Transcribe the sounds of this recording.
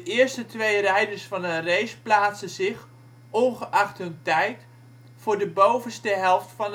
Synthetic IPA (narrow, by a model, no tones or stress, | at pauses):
dəʔɪːəɹstətʋejrɛjdərsfɑnənrejsplaːtsəzɪχ | ɔnχəʔɑχtɦɵntɛjt | fʊːɹdəbowvənstəɦɛlˠftfɑn